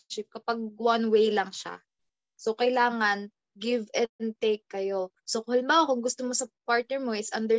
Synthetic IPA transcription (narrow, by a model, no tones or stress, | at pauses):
t͡ʃɪp̚kɐpaɡ̚wɐnwejlɐŋʃa̰ | sokɐjlaːŋɐn | ɡɪvɛnt̪ejkːɐjo̞ | sokʊhɐlɪmbaokʊŋɡʊst̪omosɐpaɹt̪̚nɛɹmoʔɪsʔɐnd̪ɛ